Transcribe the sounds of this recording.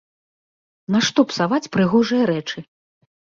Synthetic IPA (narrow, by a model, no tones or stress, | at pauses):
naʂt̪ɔpsavat͡sʲpɾɨɣɔʐɨjɐɾɛt͡ʂɨ